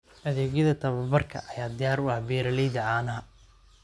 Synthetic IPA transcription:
ʔɐðɛːɣjɐðɐt̪ʰɐβɐbɐrkʰɐ̰ʔɐjaːd̪ɪjaːɾʊabɛːɾɐlɛjðɐʕaːnɐɦɐ

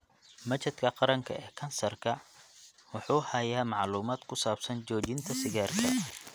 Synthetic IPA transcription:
mɐt͡ʃɐd̪kʰɐqɑɾɐŋkʰɐ̰ʔɛːkʰɐnsɐrkʰɐ | wʊħuːhɐjaːmɑʕluːmaːd̪̥kʰʊsaːb̥sɐnt͡ʃɔːt͡ʃɪnt̪ʰɐsɪɣaːrkʰɐ̰

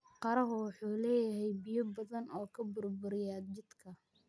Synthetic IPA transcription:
qɑɾɐɦʊwɑħuːlɛːjɐɦɛjbijɔbɐðɐnɔːkʰɐbʊrbʊɾɪjaːd͡ʒɪd̪kʰɐ

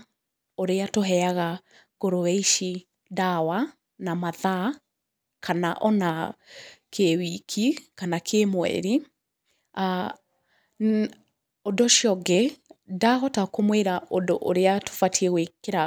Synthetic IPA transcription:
oɾeatoɦɛaɣa | ɡ̥oɾowɛiʃi | dawa | namaða | kʰanaʔɔna | kʰewikʰikanakʰemwɛ̰ɾi | a | odoʃjɔɡedaɦɔtakomweɾaʔondoʔoɾeato̥fatʰiɛɣwekeɾa

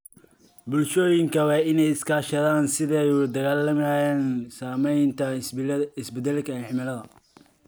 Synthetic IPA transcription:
bʊlʃɔːjɪŋkʰɐwɑːɪnɛjɪskʰaːʃɐðaːnsɪðɛjud̪ɐɣaːlːɐmːjaːnsaːmɛjnt̪ʰɐɪsbɛd̪ɛlkʰɐħɪmɪlɐðɐ

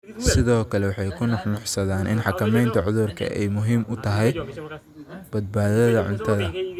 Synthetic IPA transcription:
sɪðɔːkʰɐlɛwɑħɑjkʰʊnɑħnɑħsɐðaːnʔɪ̰nħɑkʰɐmɛjnt̪ʰɐʕʊðʊrkʰɐ̰ʔɛ̰jmʊɦiːmʊt̪ʰɐɦɛj | b̥ɐd̪̚baːðɐðɐʕʊ̰nt̪ʰɐðɐ

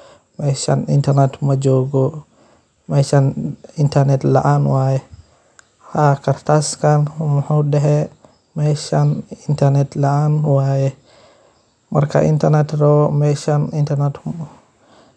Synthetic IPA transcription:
mɛːʃɐ̰nɪ̰nt̪ʰɐɾnɛt̪mɐd͡ʒɔːɡɔ | mɛːʃɐnɪnt̪ʰɐrnɛt̪lɐ̰ʔaːnwaːjɛ | hakʰɐrt̪ʰaskʰanmɐħuːɗɛɦɛ | mɛːʃɐnɪnt̪ʰɐrnɛt̪lɐʔaːnwaːjɛ | mɐ̰rkʰɐ̰ʔɪ̰nt̪ʰɐrnɛt̪rɔːmɛʃɐnɪnt̪ʰɐrnɛt̪

